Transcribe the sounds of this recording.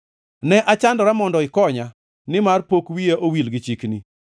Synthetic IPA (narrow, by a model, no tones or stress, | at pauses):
nɛʔat͡ʃandɔɾamɔndɔɪkɔɲa | nɪmarpokwieʔowilɡɪt͡ʃikni